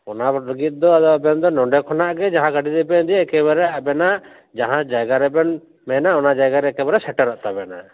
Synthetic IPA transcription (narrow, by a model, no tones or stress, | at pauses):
ɔnaləɡit̪̚d̪ɔad̪ɔabɛnd̪ɔnɔɳɖɛkʰɔnaʔɡɛd͡ʒaɦãɡaʈid̪ɛbɛnd̪ijɛkɛbɾɛabɛnaʔ | d͡ʒaɦãd͡ʒajɡaɾɛbɛn | mɛnaʔɔnad͡ʒajɡaɾɛkɛbaɾɛsɛʈɛɾɔʔt̪abɛna̰